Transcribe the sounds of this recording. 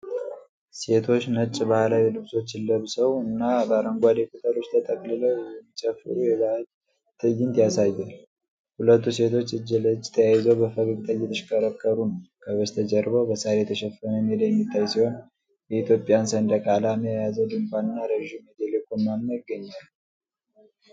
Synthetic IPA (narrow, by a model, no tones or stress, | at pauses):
se̞t̪ʰo̞t͡ʃːnət͡ʃʼbahlawilɨβso̞t͡ʃːɪlːəβsəwɨnːabəaɾəŋɡʷad̪ekʼut̪ʼəlo̞t͡ʃːt̪ʰət̪ʼəkʼlɨləwjɛmːit͡ʃʼəfɨ̰ɾujɛβal | t̪ʰʼɨjːɪnt̪jasajːal | hulət̪ːuse̞t̪ʰo̞t͡ʃːɨd͡ʒːɪlət͡ʃːt̪ʰəjajɪzəwbəfəβɨɡt̪ʰʼəjːɛt̪ʰəʃkəɾəkʰːəɾunəwkʰəβɨst̪ʰəd͡ʒəɾbobəsaɾet̪ʰəʃɛfənəneljɛmːit̪ʰːajsiho̞n | jɛit̪jo̞pʼijansənd̪əkʼalaməjajazəwd̪ɨŋkʷʼanɨnːaɾəʒimed̪elekonmanːəɪɡːəɲːal